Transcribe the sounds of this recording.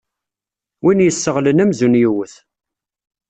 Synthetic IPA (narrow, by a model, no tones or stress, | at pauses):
winjəsːəʁlənæmzunjuwəθ